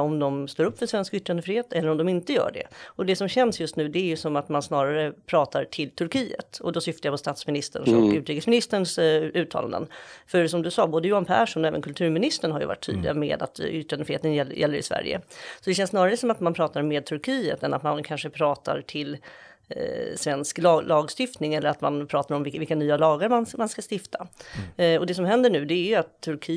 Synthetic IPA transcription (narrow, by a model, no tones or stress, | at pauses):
ɔmd̪ɔmst̪oːɾɵpːfœʂvɛnskʏt̪ːɾand̪əfɾɪheːt̪ɛlːəɾɔmd̪ɔmɪnt̪əjœ̰ːɖɛ̰ɔd̪ɛsɔmɕɛnsjɵst̪nʉ̟ːd̪ɛæɾjɵsɔmat̪mansnɑːɾaɾəpʰɾɑːt̪ʰaɾʈʰɪlt̪ʰɵɾkʰiːə̰t̪ɔ̰d̪ɔsʏft̪əjapʰɔst̪at̪smɪnɪst̪əɳʂɔkʉt̪ɾiːkːəsmɪnɪst̪əɳsʉ̟ːt̪ʰɑ̰la̰nd̪ə̰nfœɾsɔmd̪ɵsɑːboːd̪əjuːanpʰæːʂɔmɔɛːvə̰nkʰɵlt̪ʰʉ̟ːɾmɪnɪst̪əɳhɦaɾjɵ̰va̰ʈʰːy̰ːd̪lɪɡa̰mḛːd̪a̰t̪ʏʈanəfheːt̪ənjɛlːjʔɛlːəɾɪ̰svæ̰ɾjə̰sɔd̪ɛʃ̬ɛnsnɑːɾaɾəsɔmat̪manpʰɾɑːt̪aɾmeːd̪̚t̪ʰɵɾkʰiːə̰t̪ɛna̰t̪mankʰanʂəpʰɾɑːt̪ʰa̰ɾʈʰɪl | svɛnsklɑːlʔɑːɡst̪ɪft̪nɪŋɛlːəɾat̪manpʰɾɑːt̪aɾɔmvɪvɪlkanyːalɑːɡəɾmanmanskast̪ɪft̪ʰa | ɔd̪ɛsɔmɦɛnd̪əɳʉ̟ːd̪ɛæɾjɵat̪ʰːɵɾkʰi